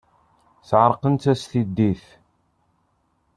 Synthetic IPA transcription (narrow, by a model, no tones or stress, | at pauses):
θʕəɾˤqənt̪æsθid̪ːiθ